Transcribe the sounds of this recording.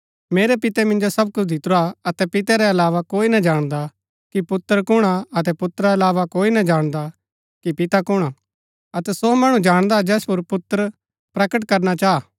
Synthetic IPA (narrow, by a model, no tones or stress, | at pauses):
meːɾɛpɪt̪ɛmɪ̃nd͡ʒosɐb̚kʊt͡ʃʰd̪ɪt̪ʊɾaɐt̪ɛpɪt̪ɛɾɛɐlaːʋakoːinɐd͡ʒaːɽ̃d̪a | kipʊt̪ːəɾkʊɽ̃aɐt̪ɛpʊt̪ːɾaɐlaːʋakoːinɐd͡ʒaːɽ̃d̪a | kipɪt̪akʊɽ̃a | ɐt̪ɛsomɐɽ̃ũd͡ʒaːɽ̃d̪ad͡ʒɛːspʊɾpʊt̪ːəɾ | pɾɐkəʈkɐɾnat͡ʃaːaː